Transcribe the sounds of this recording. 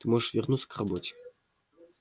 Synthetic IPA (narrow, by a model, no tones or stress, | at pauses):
t̪ɨmɔʐəʂvʲarnut̪sə̥krabɔt͡sʲɛ̥